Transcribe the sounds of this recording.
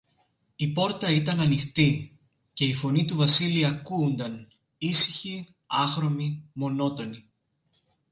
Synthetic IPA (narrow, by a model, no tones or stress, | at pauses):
ipo̞ɾt̪ɐit̪ɐnɐnixt̪i | ce̞ifo̞nit̪uvɐsiliɐkuːnd̪ɐn | isi̥çi | ɐxɾo̞mimo̞no̞t̪o̞ni